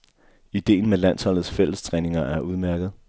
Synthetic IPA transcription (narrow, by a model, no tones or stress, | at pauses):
id̥e̝̰ːnmelæn̰shɒ̽l̰ð̩ˠsfel̰əst͡sʰʁɛːne̝ŋɐʔæɐʔuð̞ˠmæɐɡ̥ð̞̩ˠ